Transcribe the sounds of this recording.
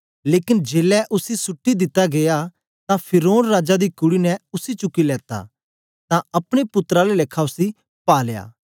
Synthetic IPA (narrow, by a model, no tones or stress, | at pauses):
leːkɪnd͡ʒeːlɛʔʊsisʊʈːid̪ɪt̪ːaɡeja | t̪ãpʰɪɾoːnɾaːd͡ʒad̪ikʊɽinɛʊsit͡ʃʊkːilɛːt̪a̰ | t̪ãɐpɽ̃epʊt̪ːəɾaleleːkʰːaʊsi | paːleja̰ː